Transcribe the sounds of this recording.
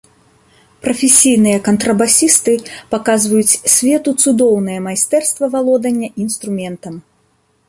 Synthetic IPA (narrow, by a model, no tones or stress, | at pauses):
pɾɐfʲesʲijnɨjɐkɐnt̪ɾɐbasʲist̪ɨpakazvɐjut͡sʲsʲvʲɛt̪ut̪sud̪ɔwnɨjɐmajst̪ɛrst̪vɐvalˠɔd̪ɐnʲːɐʔinst̪ɾumʲɛnt̪ɐm